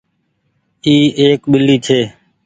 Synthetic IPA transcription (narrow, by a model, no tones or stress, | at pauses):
iːeːkɓɪliːt͡ʃʰeː